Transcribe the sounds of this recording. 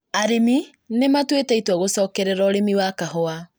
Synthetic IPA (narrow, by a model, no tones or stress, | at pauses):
aɾemi | nematweteitwaɣosɔːkɛɾɛɾɔɾemiwakahɔa